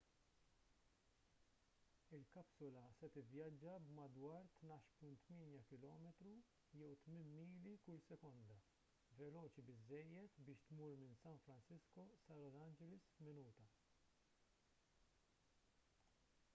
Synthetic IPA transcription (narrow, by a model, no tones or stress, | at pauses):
ɪlkɐpsɔlɐsɛt̪ɪvjɐd͡ʒːɐbmɐd̪wɐːɾt̪nɐːʃpʊnt̪ːmɪːnjɐkɪlɔːmɛt̪ɾu | jɛwt̪mɪnmiːlikʊlsɛkɔnd̪ɐ | vɛlɔːt͡ʃibɪzːɛjːɛt̪bɪːʃt̪muːɾmɪnsɐnfɾɐnsɪskɔsɐlɔzɐnd͡ʒɛlɪsfmɪnuːt̪ɐ